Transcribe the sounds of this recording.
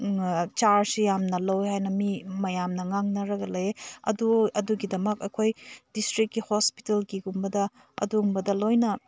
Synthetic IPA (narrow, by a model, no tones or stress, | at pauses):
t͡ʃaɾsijamnɐlowhajnɐmimɐjamnɐŋaŋnɐɾɐɡɐleɐ̰duɐduɡidɐmɐkɐjkʰojdistɾikːihospi̥telkiɡumbɐdɐ | ɐ̰dumbɐdɐlojnɐ